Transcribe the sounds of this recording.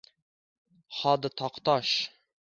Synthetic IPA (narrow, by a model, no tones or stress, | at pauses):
χɑd̪ət̪ʰɑqt̪ɑʃ